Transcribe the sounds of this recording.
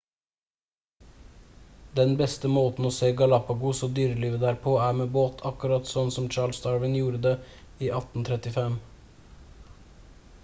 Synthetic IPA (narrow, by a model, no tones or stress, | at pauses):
d̪ɛnbɛst̪əmoːt̪n̩oːseːɡɑlɑpɑɡʊsoːd̪yːɾəliːʋəd̪æːɾpʰoːæːmeːboːt̪ʰɑkʉɾɑt̪sɔnsɔmt͡ʃɑːɭst̪ɑːɹʋɪnjuːɾəd̪eː | iːʔɑt̪n̩t̪ʰɾɛt̪ɪfɛm